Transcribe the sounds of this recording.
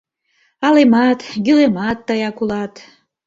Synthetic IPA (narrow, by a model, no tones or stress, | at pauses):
ɑlemɑt̪ɡylemɑt̪ːɑjɑkulɑt̪